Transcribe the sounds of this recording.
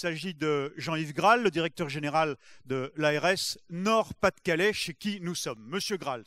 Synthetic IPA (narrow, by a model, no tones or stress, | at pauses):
saʒid̪əʒɑ̃ivɡʁalːəd̪iʁɛk̚t̪œʁʒeneʁald̪əlaɛʁɛsnɔʁpat̪kʲalɛʃekʲinusɔmːəsjøɡʁal